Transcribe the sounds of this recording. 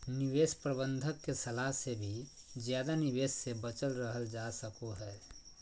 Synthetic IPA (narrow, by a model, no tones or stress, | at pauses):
nɪʋeːspɾəbə̃nd̪ʱəkːesɐlaɦsebʱi | zjaːd̪anɪʋeːssebət͡ʃəlɾəɦəld͡ʒasəkoɦɛː